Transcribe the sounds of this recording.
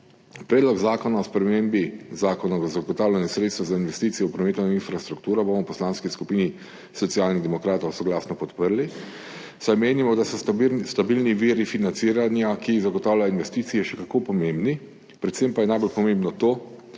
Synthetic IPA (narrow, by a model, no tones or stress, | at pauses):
pɾɛːd̪lɔkzaːkɔnaɔspɾɛmembizaːkɔnazaɡɔt̪aːwlʲjanjɛsɾet̪st̪ʋazainʋɛst̪iːt̪sijɔwpɾɔmeːt̪oinfɾast̪ɾukt̪uːɾɔbomɔwpɔslaːnskiskupiːni | sɔt̪siaːlniɣd̪ɛmɔkɾaːt̪ɔwsɔɡlaːsnɔpɔt̪pəɾli | sajmeːnimɔd̪asɔst̪abilniʋiːɾifinansiːɾanjakiːɣzaɡɔt̪aːwljajoinʋɛst̪iːt̪sijɛʃɛkakoːpɔmembni | pɾɛt̪sempajɛnajbolpɔmẽmbnɔt̪oː